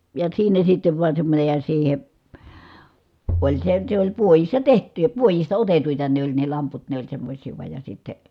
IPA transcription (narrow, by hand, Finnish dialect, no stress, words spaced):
jɑ siːnæ sitːeʋ ʋuɑn semːonʲej jɑ siːhe olʲ se se olʲ puojisːɑ tehtˑy jɑ puojistɑ otetuitɑ ne olʲ ne lɑmput ne olʲ semːosʲiː ʋuɑj jɑ sitːe